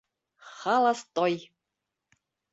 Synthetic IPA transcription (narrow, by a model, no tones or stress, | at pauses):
χɑlˠɑst̪oj